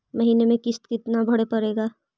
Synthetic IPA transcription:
mɐɦiːnemẽkɪst̪kɪt̪nabʱɐɽepɐɾeːɡaː

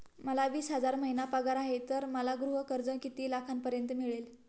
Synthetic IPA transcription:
məlaʋiːsɦəd͡zaɾməɦinapaɡaɾaɦet̪əɾməlaɡɾuɦəkəɾd͡zəkit̪iːlakʰanpəɾjənt̪əmiɭel

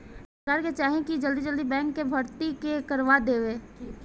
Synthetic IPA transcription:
skaːɾket͡ʃaːɦẽkid͡ʒɐld̪id͡ʒəld̪ibɛ̃ːŋkːebʱɐɾt̪ikekɐɾʋad̪eːʋeː

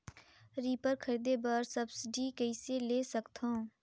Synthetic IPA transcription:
ɾiːpəɾkʰəɾiːd̪ebəɾsəbsɪɖikəiseleːsɐkt̪õː

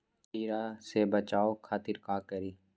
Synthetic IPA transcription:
t͡ʃiːɾasebət͡ʃaːokʰaːt̪ɪɾkaːkəɾiː

